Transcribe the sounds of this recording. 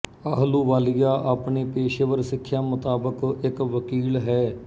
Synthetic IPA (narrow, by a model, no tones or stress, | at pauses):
əɦluːʋaːlɪjaːʔapɳeːpeːʃəʋəɾsɪkʰːjaːmʊt̪aːbəkɪkʋəkiːlɦɛː